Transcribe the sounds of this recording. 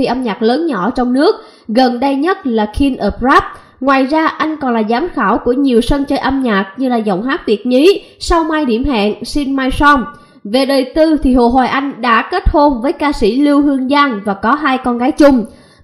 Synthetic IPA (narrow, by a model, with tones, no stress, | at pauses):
i˨˩ʔə˧mɲaː˨˩k̚ləː˨˦nɲɔ˧˩t͡ɕɔ˧wŋ͡mnɨ˦˥ək̚ | ɣə˨˩nɗə˧jɲə˦˥t̚laː˨˩kʰi˧nʔəː˨˩p̚zaː˦˥p̚ | ŋwaː˨˩jzaː˧ʔa˧jŋ̟kɔ˨˩nlaː˨˩zaː˨˦mxaː˧˩wku˧˩əɲi˨˩əwsə˧nt͡ɕəː˧jʔə˧mɲaː˨˩k̚ɲɨ˧laː˨˩zɔ̰˨˩wŋ͡mɦaː˦˥k̚t̪i˨˩ət̚ɲi˨˦ | sa˧wmaː˧jɗḭ˧˩əmɦa̰ː˧˨nsi˧nmaː˧jsɔ˧m | ve˨˩ɗəː˨˩jt̪ɨ˧t̪ʰi˨˩ɦo̰˧˨ɦwaː˨˩jʔa˧jŋ̟ɗa̰ː˧˥ke˦˥t̚ho˧nvəː˨˦jkaː˧sḭ˧˩li˧əwɦɨ˧əŋzaː˧nvaː˨˩kɔ˨˦ɦaː˧jkɔ˧nɣaː˨˦jt͡ɕʊ˧ŋ͡m